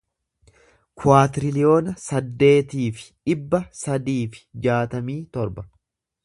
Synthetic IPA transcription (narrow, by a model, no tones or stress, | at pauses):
kʰʊaːt̪ɪɾɪlɪjo̞ːnɐsɐd̪ːe̞ːt̪iːfɪ̥ᶑɪbːɐsɐd̪iːfɪ̥d͡ʒaːt̪ɐmiːt̪ɔɾbɐ